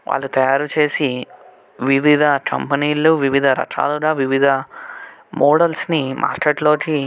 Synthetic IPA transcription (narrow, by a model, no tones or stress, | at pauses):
ʋa̰ːɭːut̪ɐjaːɾut͡ʃe̞ːsi | ʋiʋid̪ʱɐkʰɐ̰mpɐniːlːuʋiʋid̪ʱɐɾɐ̰ʂa̰ːluɾaːʋiʋid̪ʱɐ | mɔːɽɐlsnimʔa̰ːɾkeʈlo̞ːki